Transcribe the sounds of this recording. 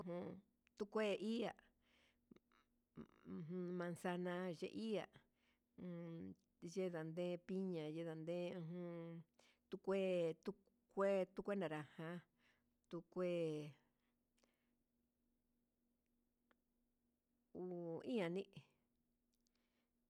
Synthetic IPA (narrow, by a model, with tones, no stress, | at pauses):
ũ˧ɦũ˧ | t̪u˦kʷe˦˧ʔi˦a˨ʔ | ũ˧ɦũ˧mã˧nsa˧nã˧ʒḛ˧ʔi˦a̰˨ʔ | ʒe˦ða˨nd̪ẽ˦pi˦ɲã˨je˦ða˨nd̪ẽ˦ũ˧ɦũ˧ | t̪u˦kʷe˦t̪u˧˦ | kʷe˦t̪u˦kʷe˦nã˨ɾa˨hã˧ | t̪u˧kʷe˦ | u˧˨i˦ã˨nĩ˦ʔ